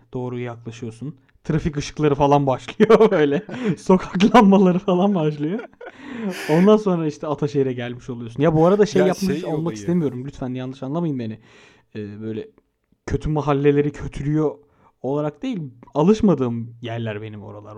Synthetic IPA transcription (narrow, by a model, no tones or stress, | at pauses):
d̪̥o̞ːɾujjaklˠaʃɯjo̞sun | t̪ʰɾafikɯʃɯ̥klˠaɾɯfalˠanbaʃlˠɯjo̞bø̞jlʲɛso̞kʰaklˠanmalˠaɾɯfalˠanbaʃlˠɯjo̞ | o̞nd̪anso̞nɾaiʃt̪ʰɛat̪ʰaʃe̞jɾɛɟælʲmiʃo̞lˠujo̞sunjabuaɾad̪aʃejːapmaolˠmakist̪ʰemijo̞ɾumblʲyt̪fænjanlˠɯʃanlˠamajɯnanɪ | ɛːbø̞jlʲɛ | cʰøt̪ʰymaɦalʲːe̞lʲe̞ɾicʰø̞t̪ʰyɾʲyjoː | lˠaɾak̚d̪e̞jilʲalˠɯʃmad̪ɯːmjæɾlʲæɾbe̞nimo̞̰ɾalˠa̰ɾ